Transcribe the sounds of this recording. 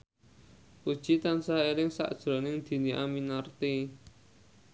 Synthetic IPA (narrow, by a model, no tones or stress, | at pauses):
ʔud̥ʒ̥i̤t̪ansaiɾɪŋsa̰ʔd̥ʒ̥ɾɔ̤nɪŋd̪̥i̤niʔa̰minart̪i